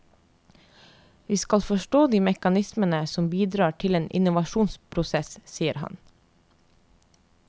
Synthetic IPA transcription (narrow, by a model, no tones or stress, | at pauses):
ʋiːskɑlfɔʃʈoːd̪iːmɛkɑnɪsmənəsɔmbiːd̪ɾɑːʈʰɪleːnʔɪ̰nʊʋɑʃuːnspʰɾʊsɛssiːəɾhɑ̰n